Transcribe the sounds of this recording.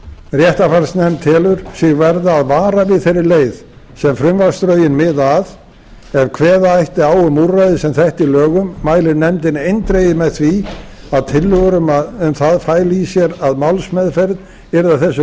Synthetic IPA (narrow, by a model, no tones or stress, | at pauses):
rjɛht̪afaɾsnɛmt̪ʰɛːlʏɾ̥sjɪɣvɛɾðaːðvaːɾavɪðθejɾɪleːjð | sɛmfɾʏmvaɾ̥st̪ɾœːɥjɪnmɪðað | ɛɾkʰvɛːðaajht̪ɪaːwʏmurajðɪsɛmθɛht̪ilœːɣʏmːaːjlɪnɛmt̪ɪnejnt̪ɾejɪmɛðθviaðt̪ʰɪlːʏɣɾʏmɛmθaðfaːjlɪisjɛɾaðmawlsmɛðfɛɾð | ɛɾðaθɛsːʏ